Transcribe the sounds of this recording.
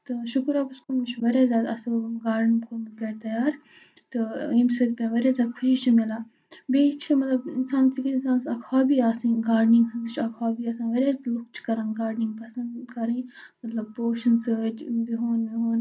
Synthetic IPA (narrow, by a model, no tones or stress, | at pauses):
t̪ɨʃʊkɾaːbɐskomɐt͡ʃʰʋɐɾaːzʲjaːd̪ɐ̰sɡaːɾɖnkʰomɐt̪̚kɐɾt̪ɐjaːɾ | t̪ɨimsəd͡ʒpʲãːʋɐɾazʲjaːd̪̚kʰʊʃiːt͡ʃʰimilaː | beːt͡ʃʰimɐt̪lɐbɪnsaːnsikʰɪnsãːnsɐkʰaːbiːaːsĩɡaːɾɖnĩŋɡhɐnzɨt͡ʃʰɐkʰaːbiːɐsãːnʋɐɾeːlʊkt͡ʃʰkɐɾãːŋɡaːɾɖnĩŋɡpɐsɐ̃nd̪dkɐɾĩmɐt̪lɐb̚poːʃɐnsəd͡ʒbiɦoːnbiɦoːn